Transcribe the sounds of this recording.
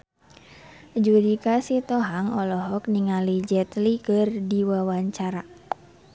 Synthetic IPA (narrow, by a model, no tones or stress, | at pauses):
d͡ʒudikasit̪ɔɦaŋɔlɔɦɔk̚niŋalid͡ʒɛt̪likərdiwawaɲt͡ʃaɾa